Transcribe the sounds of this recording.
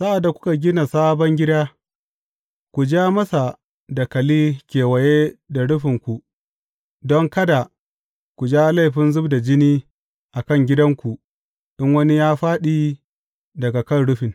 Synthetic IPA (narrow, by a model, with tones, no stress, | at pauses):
sa˦ʔa˨dːa˨kʷʊ̥˦ka˨ɡʲɪ˦na˨saː˦bɔ˦ŋɡʲɪ˦daː˦ | kʷu˨d͡ʒaː˦mɐ˦sa˨ | da˨kɐ˨liː˦kʲeː˨wɐ˨jeː˦da˨ɽʊ˦ɸɪ˨ŋkʷu˨ | dɔ˦ŋkɐ˦da˨ | kʷu˨d͡ʒaː˦la˦˨ɸɪ˦nzʊ˦bda˨d͡ʒɪ˦niː˦ | ʔa˨kɐ˦˨ŋɡʲɪ˦dɐ˦ŋkʷu˨ | ɗɪ˦ŋwɐ˦ni˦jaː˦ɸaː˦ɗiː˦ | dɐ˨ɡa˨kɐ˦˨nɽʊ˦ɸɪ˨n